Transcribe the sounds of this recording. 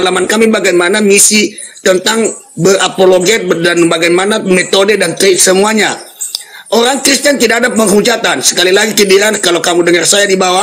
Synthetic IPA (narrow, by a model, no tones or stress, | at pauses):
lamankamibaɡajmanamisi | t̪ənt̪aŋ | bərapoloɡɛt̪̚danbaɡajmanamet̪odədant̪eksəmuaɲa | ʔoɾaŋkɾist̪ant̪idaːdapəŋud͡ʒat̪ansə̥kalilaɡikidiɾankalawkamudəŋərsajadibawa